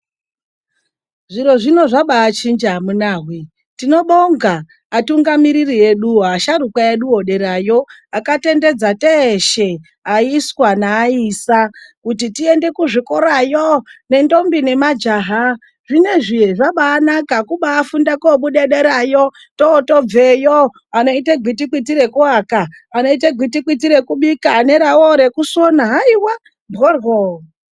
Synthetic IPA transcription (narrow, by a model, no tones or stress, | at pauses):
ʐiɾo̞ʐino̞ʐaɓaːt͡ʃind͡ʒamunaːɦwi | tino̞ɓoŋɡaː | tuŋɡamiɾirie̞ɗuaʃarukaeɗuoɗe̞ɾajo̞akate̞nde̞d͡zateːʃe | aiswanaːiːsakutitie̞nde̞kuʐikoɾajone̞ndo̞mbine̞mad͡ʒaɦa | ʐine̞ʐijeʐaɓaːnakakuɓaːfundakoɓuɗeɗeɾajo | toːtob͡vejo | ano̞iteɡʱit̬ikitiɾe̞kuakaː | no̞iteɡʱitikit̬iɾe̞kuɓikaːne̞ɾawoɾe̞kusonaɦaiwa | bɣorwo